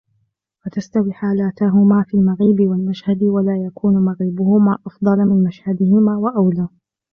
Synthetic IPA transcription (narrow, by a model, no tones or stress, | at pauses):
wat̪ast̪awiːħaːlaːt̪aɦʊmaːfiːlmaɣiːbɪwalmaʃhad̪ɪwalaːjakuːnmaɣɪbʊhʊmaːʔɑfd̪ˤɑlmɪnmaʃhad̪ɪhɪmaːwaʔawlaː